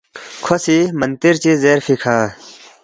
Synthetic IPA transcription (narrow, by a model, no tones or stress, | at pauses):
kʰosimɐnt̪iɾt͡ɕizeːɾfikʰaː